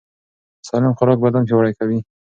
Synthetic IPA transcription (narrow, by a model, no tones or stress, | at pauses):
sɑlɪmxʊɾɑk̚bad̪ampewaɽajkawi